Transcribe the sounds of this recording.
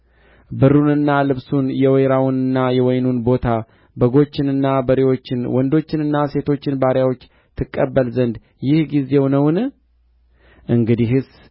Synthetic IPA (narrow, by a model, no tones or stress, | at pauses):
bɨrːunɨnːalɨβsunjɛwɛjɾawunɨnːajɛwɔjnunbo̞t̪ʰa | bəɡo̞t͡ʃːɪnɨnːabəɾiwo̞t͡ʃːɪnwɔnd̪o̞t͡ʃːɪnɨnːase̞t̪ʰo̞t͡ʃːɪnbaɾjawo̞t͡ʃː | t̪ʰɨkʼːəbːəlzənd̪ | jɪhɡize̞wnəwn | ʔɨŋɡɨd̪iɦɨs